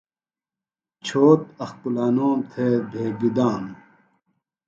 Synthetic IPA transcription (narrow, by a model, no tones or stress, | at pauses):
t͡ɕʰoːt̪ɐxkulaːnoːmt̪ʰeːb̪ʱeːɡid̪aːm